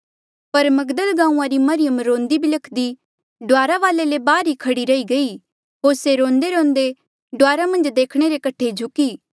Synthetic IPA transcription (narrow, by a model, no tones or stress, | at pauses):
pɐɾmɐɡd̪əlɡãːũːãɾimɐɾɪjəmɾõːnd̪ibʱilɐkʰd̪i | ɖʊaːɾaʋaːlelebaːɾikʰɐɽiɾɐiɡɐi | ɦoːɾseɾõːnd̪eɾõːnd̪e | ɖʊaːɾamɐ̃nd͡ʒd̪eːkʰɽ̃eɾekɐʈʰed͡ʒʱʊkiː